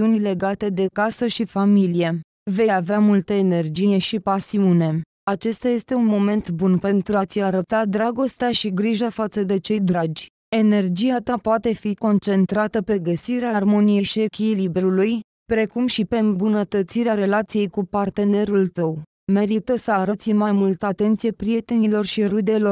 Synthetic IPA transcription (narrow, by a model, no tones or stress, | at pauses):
iunile̞ɡat̪e̞d̪e̞kasəʃifamilije̞ | ve̞javeamult̪əene̞rd͡ʒijeʃipasiune̞ | at͡ʃe̞st̪aje̞st̪e̞unmo̞me̞nt̪bunpe̞nt̪ɾuat̪siaɾət̪ad̪ɾaɡo̞st̪eaʃiɡɾiʒafat̪səd̪e̞t͡ʃe̞jd̪ɾad͡ʒʲ | e̞ne̞rd͡ʒijat̪apoat̪e̞fiko̞nt͡ʃe̞nt̪ɾat̪əpe̞ɡəsiɾearmo̞nije̞ʃie̞kʲilibɾuluj | pɾe̞kumʃipe̞mbunət̪ət̪siɾeaɾe̞lat̪sijejkupart̪e̞ne̞ɾult̪əw | me̞ɾit̪əsəaɾət̪simajmult̪əat̪e̞nt̪sijepɾije̞t̪e̞nilo̞rʃiɾud̪e̞lo̞r